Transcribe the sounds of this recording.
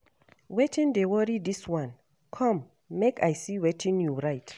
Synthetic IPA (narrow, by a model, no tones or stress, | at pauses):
wetʰĩndewɔɹidiswãn | kʰɔ̃mː | ekajsiwetʰĩnjuɹajt